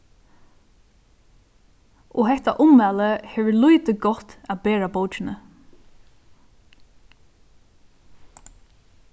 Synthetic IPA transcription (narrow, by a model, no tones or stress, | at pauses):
ʔɔɦɛht̪a̰ʔʊmːæːləhɛːʋɪlujt̪ɪɡɔt̪ːæbeːɹabowt͡ʃɪnə